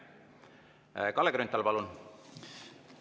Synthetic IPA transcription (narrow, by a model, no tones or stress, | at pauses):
kɑlːeɡɾynt̪ːˑɑlpɑlun